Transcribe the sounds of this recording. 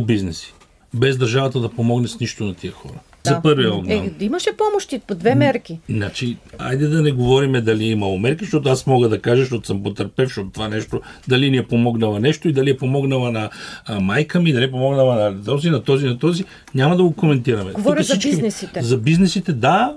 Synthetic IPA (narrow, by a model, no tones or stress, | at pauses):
biznɛsi̥ | bɛzd̪ɐɾʒavɐt̪əd̪ɐpomɔɡnɛsniʃt̪onɐt̪iəxɔ̰ɾə | zɐpɤɾviɔɡ̪aimɐʃɛpɔmoʃt̪ipod̪vɛmɛɾkʲinat͡ʃia̰jd̪ɛd̪ɐnɛɡovɔɾimɛd̪ɐliɛimɐlˠomɛɾkiʃt̪ɔt̪oasmɔɡəd̪ɐkaʒɐʃt̪ɔt̪o̥səmpot̪ɐɾpɛfʃt̪ot̪ot̪ovanɛʃt̪od̪ɐliniɛpomɔɡnɐlˠɐnɛʃt̪oid̪ɐliɛpomɔɡnəlˠɐnɐmajkəmid̪ɐlip̬omɔɡnəlˠɐnɐt̪ɔzinɐt̪ɔzinɐt̪ɔzi | nʲamɐd̪ɐɡokomɛnt̪iɾɐmɛɡoɔɾszit͡ʃkinɛsiɛzɐbiznɛsit̪ɛd̪a